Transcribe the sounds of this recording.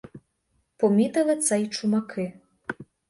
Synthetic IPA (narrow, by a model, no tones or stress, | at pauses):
pɔmʲit̪ɐlɐt̪sɐjt͡ʂumakʰɨ